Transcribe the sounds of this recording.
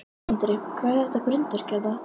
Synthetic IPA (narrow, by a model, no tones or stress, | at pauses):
nt̪ɾɪkʰvaːɾɛht̪aɡɾʏnt̪ɪɾ̥cɛɾt̪a